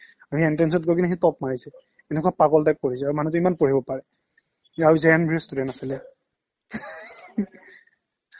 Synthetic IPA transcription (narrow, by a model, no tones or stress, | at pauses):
aiɛntɛns̬ɔtɡoɔkinaɦitɔpmaɹisɛ | ɛnɛkuapakɔltak̚koɹisɛaɹumanut̬ʊimanpoɹibɔpaɹɛ | aɹuzɛnbʱiɔstudɛntasilɛ